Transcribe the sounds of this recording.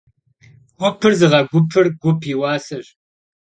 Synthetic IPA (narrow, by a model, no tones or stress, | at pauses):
wʷʊpʰɨrzɨʁɐɡʷʊpʰɨrɡʷʊpʰiwɑːsɐɕ